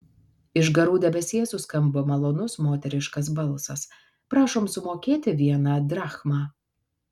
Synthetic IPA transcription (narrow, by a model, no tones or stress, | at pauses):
ɪʒɡɐɾuːd̪ʲɛbʲɛsʲiɛsuːskɐmbomɐlˠoːnʊsmoːt̪ʲɛɾʲɪʃkɐsbɐlˠsɐs | pɾɑːʃoːmsʊmoːkʲeːt̪ʲɪʋʲiɛnɑːd̪ɾɑːxmɑː